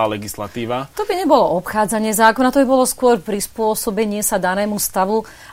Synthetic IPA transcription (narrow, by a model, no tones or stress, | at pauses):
aːlɛɡislat̪iːʋat̪ɔbiɲɛbɔlɔʔɔpxaːd͡zaɲɪɛzaːkɔnat̪ɔbibɔlɔskʊɔɾpɾispʊɔsɔbɛɲɪɛsad̪anɛːmust̪aʋu